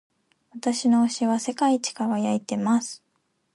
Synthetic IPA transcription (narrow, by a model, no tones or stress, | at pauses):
βat̪aɕino̞ːɕiβase̞kait͡ɕi̥kaɡajait̪e̞masɨ̥